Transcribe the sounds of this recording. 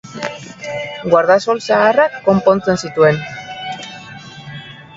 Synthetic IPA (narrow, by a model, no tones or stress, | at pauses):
ɡwaɾðaso̞lsaːrakːo̞mpo̞nt͡se̞nsit̪ue̞n